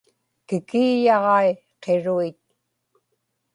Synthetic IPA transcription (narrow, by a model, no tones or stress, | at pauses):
kɪkiːjɑʁɑe | qeɻuit̪̚